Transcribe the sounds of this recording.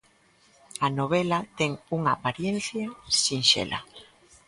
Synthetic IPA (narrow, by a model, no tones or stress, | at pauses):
anoβ̞ɛlɐt̪ɛŋuŋaːpaɾjenθjasinʃḛlʔa̰